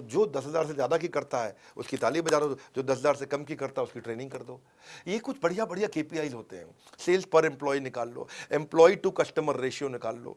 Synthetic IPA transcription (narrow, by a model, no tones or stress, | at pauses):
d͡ʒoːd̪ɐsɦɐzaːɾsezjaːd̪akikɐɾt̪aɦɛːʊskit̪aːliːbɐd͡ʒaːd̪od͡ʒoːd̪ɐsɦɐzaːɾsekɐmkikɐɾt̪aɦɛʊskiʈɾeːnɪ̃ŋɡkɐɾd̪oː | jekʊt͡ʃʰbɐɽijabɐɽijakeːpiaːizɦoːt̪eɦɛ̰̃ | seːlspɐɾɛ̃mplɔːinɪkaːlːo̰ːɪ̃mplɔːiʈukɐsʈəməɾːeːʃijonɪkaːlːo̰ː